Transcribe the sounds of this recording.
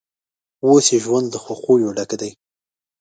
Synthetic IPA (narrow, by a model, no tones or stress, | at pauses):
wosjeʒwand̪ːəxoxojoɖakd̪aj